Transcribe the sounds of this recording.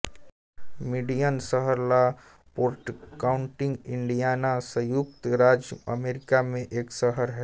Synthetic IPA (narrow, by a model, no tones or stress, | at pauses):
miɖijənsəɦəɾla | poːɾʈkaːʊ̃ɳʈɪ̃ŋɡɪ̃ɳɖijaːnasəjuk̚t̪ɾaːd͡ʒə̰meːɾɪkamẽʔeːksəɦəɾɦɛː